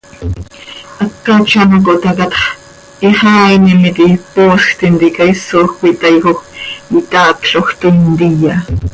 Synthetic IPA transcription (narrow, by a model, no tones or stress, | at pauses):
akːat͡ʃɑnokoʔt̪ɑkɑt̪χ | iχɑːinimit̪ipoːsxt̪int̪ikɑisoxwit̪ɑjxoxit̪ɑːkɬoxt̪ont̪ija